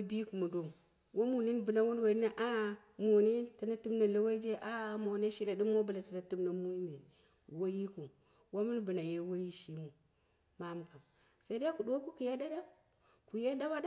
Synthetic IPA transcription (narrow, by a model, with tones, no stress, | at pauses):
bi˦ku˨mu˨do˨m | wo˦mu˨ni˦nbɨ˨na˦wo˦n˦we˨ɾi˦na˦ʔa˦ | mo˨ni˦ta˨na˦tu˦mna˨lo˦we˦d͡ʒe˦ʔa˦mo˨ne˦ʃi˦ɾa˨di˦mːo˦bu˨la˨ta˨na˨tu˦mna˨mu˦i˦me˨n | wo˦ji˦ku˨ | wa˦mu˦nbɨ˨na˨je˦wo˦ji˦ʃi˦mu˨ | ma˦m˨ka˨m | sa˦i˦da˦ku˨do˦ku˦ku˨je˦da˦da˦ | ku˨je˦da˦ba˦da˦